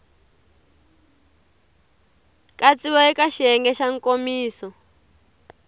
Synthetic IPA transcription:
kʼat͡sʼiβɔikʼaʃiɛŋɡɛʃaŋkʼomiːsɔ

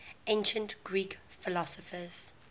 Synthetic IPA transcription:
ẽnʃə̃ntɡ̥ɹiːkfɪlɔsɔfəz̥

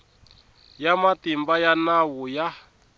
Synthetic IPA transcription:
jamatimbajanawuja

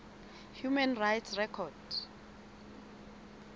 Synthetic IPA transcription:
hjumɛnrajtsrɛkʰɔd̥

